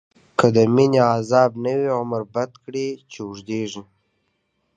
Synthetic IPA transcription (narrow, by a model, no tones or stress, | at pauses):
kəd̪əmineazɑbnəwiʁʊmɾbat̪kɽit͡ʃeʊʐd̪eʐi